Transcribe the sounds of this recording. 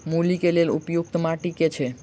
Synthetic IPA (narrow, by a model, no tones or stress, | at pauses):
mulikeleɾṵpjuk̚t̪omaʈiket͡ɕʰe